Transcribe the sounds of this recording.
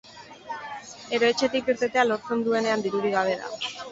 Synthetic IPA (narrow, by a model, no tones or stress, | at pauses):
e̞ɾo̞e̞t͡ʃe̞t̪ikeɾt̪et̪e̞alo̞ɾt͡se̞nd̪ue̞ne̞and̪iɾuɾiɣaβ̞e̞ða̰